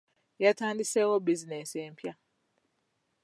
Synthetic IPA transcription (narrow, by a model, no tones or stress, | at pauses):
jɛtʰãndisɛwɔbizinɛsɛm̩pʰia